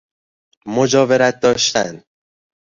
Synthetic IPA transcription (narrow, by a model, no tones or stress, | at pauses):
mod͡ʒɒːve̞ɾæt̪̚d̪ɒːʃt̪æn